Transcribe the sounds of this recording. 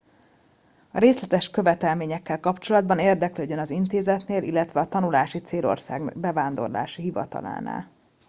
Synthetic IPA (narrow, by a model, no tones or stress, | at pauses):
ɒ̰ɾeːslɛt̪ɛʃkø̞vɛt̪ɛlmeːɲɛkːɛlkɒpt͡ʃo̞lɒd̪̚bɒneːrd̪ɛkløːɟønɒzint̪eːzɛt̪neːlilːɛt̪ʋɛɒt̪ɒnulaːʃit̪seːlo̞̰rsa̰ːɡbɛvaːnd̪o̞̰rla̰ːʃiɦivɒ̰t̪ɒ̰la̰ːna̰ːl